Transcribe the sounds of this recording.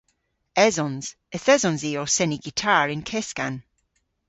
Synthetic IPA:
ɛzɔ̃nz̥ | əθɛzɔ̃nziɔsɛniɡ̥itʰaːɹɪ̃nkʰɛskan

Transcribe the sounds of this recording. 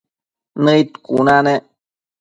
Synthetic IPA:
nəit̪kunane

